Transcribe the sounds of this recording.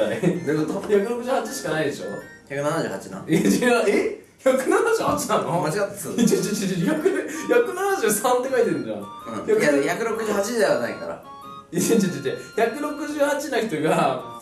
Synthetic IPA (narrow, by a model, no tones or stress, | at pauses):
ad̪ekot̪oçakɯɾo̞kɯ̟ʑɨːhat͡ɕiɕi̥kanaid̪e̞ɕo̞̰ | çakɯnanaʑɨ̰ːhat͡ɕina̰eae | çakɯ̟nanaʑɨːhat͡ɕinãmat͡ɕiɡat̪ːaiẽt͡ɕĩt͡ɕiçakɯ̟çakɯ̟nanaʑɨːsãnt̪ekait̪eɾɯ̟̃ɲd͡ʑã̰ | ɯ̃çakɯçakɯ̟ɾo̞kɯ̟ʑɨːhat͡ɕideβanaikaɾa̰ | it͡ɕẽɲd͡ʑid͡ʑit̪ːeçakɯ̟ɾo̞kɯ̟ʑɨːhat͡ɕinaçʲi̥t̪o̞ɡa